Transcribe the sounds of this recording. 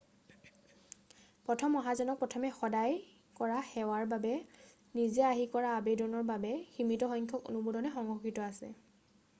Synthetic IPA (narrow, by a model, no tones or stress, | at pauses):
pɹɔtʰɔmɔɦazɔnɔk̚pɹɔtʰɔmɛxɔdaj | kɔɹaxɛwaɹbabɛ | nizɛaɦikɔɹaːbedɔnɔɹbabɛximitɔxɔjɲkʰɔko̰nubudɔnɛxɔŋɔxitɔasɛ̰